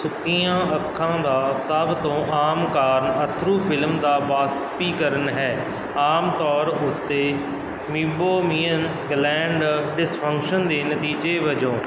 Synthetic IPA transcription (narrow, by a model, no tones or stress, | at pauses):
sʊkiːãːʔəkʰːãːd̪aːsəbt̪õːʔaːmkaːɾnət̪ʰɾuːpʰɪlmd̪aːbaːspiːkəɾənɦɛː | aːmt̪ɔːɾʊt̪ːeː | mɪ̃boːmiːən | ɡlɛ̃ːɳɖɖɪspʰə̃ŋkʃənd̪eːnət̪iːd͡ʒeːʋəd͡ʒõː